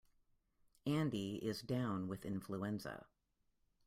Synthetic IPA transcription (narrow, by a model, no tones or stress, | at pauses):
æ̃ndiɪzdãʊ̃nwɨðɪ̃nɱfluɛ̃nzə̰